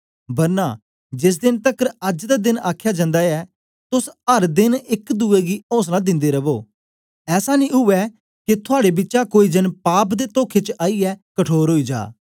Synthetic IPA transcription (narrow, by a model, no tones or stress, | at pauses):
bəɾna̰ː | d͡ʒɪs̬d̪ɪnt̪əkəɾəd͡ʒd̪aːd̪ɪnaːkʰjaːd͡ʒə̃nd̪aːɛː | t̪ʊsəɾd̪ɪnɪkd̪uːeɡiɔ̃ːs̬nãːd̪ɪ̃nd̪eːɾəboː | ɛːsaːnĩːɦʊʋɛː | kɪt̪ʰʊaːɽebɪt͡ʃakoːiːd̪ɪnpaːpd̪eːt̪oːkʰet͡ʃʔaːiːɛːkəʈʰoːɾɦoːiːd͡ʒa̰ː